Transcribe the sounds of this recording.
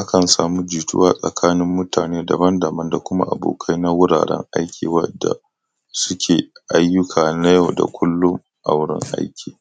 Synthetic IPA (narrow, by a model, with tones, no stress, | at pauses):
ʔa˦kɐ˨nsaː˨mu˦d͡ʒiː˨tʊ̰˦waː˨sʼɐ˨kʰaː˦nɪ˦mːʊ˦taː˨neː˦dɐ˨bɐ˦ndɐ˨mɐ˦nda˨kʷʊ˦ma̰˦ʔa˨bo̰ː˨kʰa˦jna˦wʊ˦ɽa̰ː˨ɽɛ̰˦ŋʔa̰˦jkʲʰḭː˨wɐ˦dːa̰˨ | sʊ˦kʲʰeː˨ʔa˦jːʊ˦kʰaː˨na˦ja˨wda̰˨kʷʰʊ˦lːʊ˦ŋ | ʔa˨wɽɪ˦ŋʔa̰˦jkʲʰiː˨